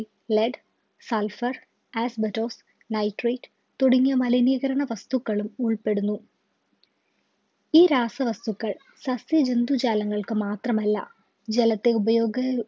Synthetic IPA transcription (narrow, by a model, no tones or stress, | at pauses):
leɖ | sɐlfɐr | aːsbɐtːo̞ːs | nɐjʈreːʈ | t̪uɽiŋːɐmɐlɐniːɣɐɾɐɳɐʋɐst̪ukːɐɭumuɭpe̞ɽunːu | iːɾaːsɐʋɐst̪ukːɐɭ | sɐsjɐd͡ʑend̪ud͡ʑaːlɐŋːɐɭkɨmaːt̪rɐmɐlːɐ̰ | d͡ʑelɐt̪ːe̞ubɐjo̞ːɡɐ